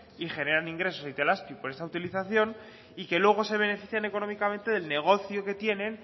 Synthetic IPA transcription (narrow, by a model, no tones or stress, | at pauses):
iχe̞ne̞ɾaniŋɡɾe̞so̞sit̪e̞laspjupoɾe̞st̪aut̪iliθaθjo̞n | ike̞lwe̞ɣ̞o̞se̞β̞e̞ne̞fiθjane̞ko̞no̞mikamẽ̞nt̪e̞ðe̞lne̞ɣ̞o̞θjo̞ke̞t̪je̞nẽ̞n